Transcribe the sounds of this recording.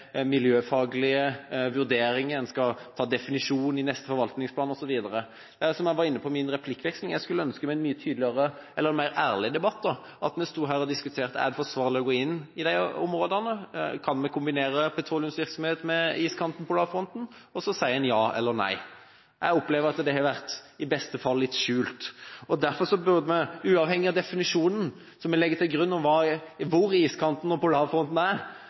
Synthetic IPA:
mɪljøːfɑːɡlɪəʋʉɾd̪eːɾɪŋəɛnskɑt̪ʰɑːd̪ɛfɪnɪʂuːnɪnɛst̪əfɔɾʋɑlt̪nɪŋspʰlɑːnɔsɔʋiːd̪əɾə | d̪̥æsɔmjæʋɑɾɪnːəpʰɔmɪnɾɛpʰlɪkːʋɛkslɪŋjæɪskʉlːəœnskəmæɛnmyːət̪ʰyːd̪lɪəɾəɛlːəɾɛnmæɪɾæːʁlɪəd̪ɛbɑt̪ːd̪ɔ | ʔɑt̪mɛst̪uːɦæːɾɔd̪ɪskʉt̪ʰeːʁt̪əæ̰d̪ɛfɔsʋɑːʁlɪɔɡoːɪnːɪd̪æɪɔmɾoːd̪əʁnəkʰɑnmɛkʰʊmbɪneːɾəpʰɛt̪ʰɾuːlɪʉmsʋɪɾksɔmheːt̪mɛiːskʰɑnt̪n̩pʰɔlɑːʋfɾɔnt̪n̩ | ɔsɔsæɪɛnjɑːɛ̰lːəɾnæ̰ɪ | ʔæ̰ɪɔpleːʋəɾɑt̪d̪ɛhɑɾʋæɾt̪ɪbɛst̪əfɑlːɪt̪ːʃʉːlt̪ɔd̪æɾfɔɾsɔbʉʁd̪əmɛʉːɑːʋhɛŋːɪɑd̪ɛfɪnɪʂuːnən | sɔmɛlɛɡːət̪ʰɪlɡɾʉnːɔmʋɑːʋʊɾiːskʰɑnt̪nɔpɔlɑːfɾɔnt̪n̩æɾ

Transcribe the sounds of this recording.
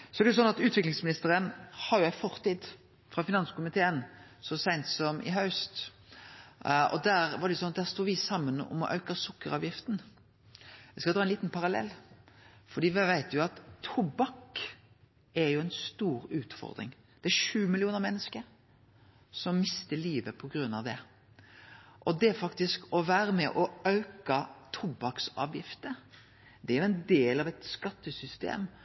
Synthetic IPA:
sɔɛɾdɛjʊsɔnɑt̪ʉːt̪ʋɪklɪŋsmɪnɪst̪əɾənhɑɾjʊæɪfɔʁt̪ʰiːd̪ | fɾɑfɪnɑnskʊmɪt̪ʰeːənsɔsæɪnt̪sɔmʔɪ̰ɦɑʉst̪ | ɔ̰d̪æːɾʋɑɾd̪ɛjʊsɔnɑd̪æːʁst̪uːʋɪsɑmːənɔ̰mɔ̰ʔœ̰ʉkəsʊkːəɾɑːʋjɪft̪n̩ | ʋɪskɑd̪ɾɑːɛniːt̪npʰɑɾɑlɛ̰lː | fɔd̪iːʋæʋæɪt̪jʊɑt̪ʰːʊbɑk | ɛɾjʊæɪnst̪uːɾʉːt̪fɔ̰ɾd̪ɾɪ̰ŋ | d̪̥ɛæɾʂʉːmɪlɪuːnəɾmɛnːəskəɾ | sɔmːɪst̪əɭiːʋəpʰɔɡɾʉnːɑ̰ʋd̪ɛ | ʔɔd̪ɛæɾfɑkt̪ɪskɔʋæːɾəmɛʔɔœʉkɑt̪ʰʊbɑksɑ̰ːʋjɪft̪əɾ | d̪ɛæɾjʊɛnd̪eːlɑʋɛt̪skɑt̪ːəsʏst̪ḛːm

